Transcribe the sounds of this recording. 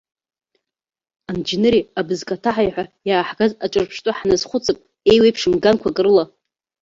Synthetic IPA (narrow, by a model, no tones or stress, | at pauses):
and͡ʒinɨɾiabɨzkʼatʰaħajħʷᶣajaːħɡazat͡ʃʷʼɨrpʰʂtʼʊħnazχʷʊt͡sʼɨpʼ | ejwejpʰʂɨmɡankʷʰakʼɨɾɨla